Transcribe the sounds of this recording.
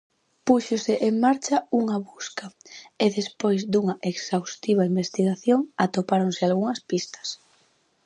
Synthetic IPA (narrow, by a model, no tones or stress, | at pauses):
puʃosɪʔeŋmaɾt͡ʃɐuŋɐβuskaeðespojzd̪uŋɐʔeksawst̪iβ̞aimbest̪iɣaθjoŋat̪opaɾonsɪalɣuŋɐspist̪ɐ̥s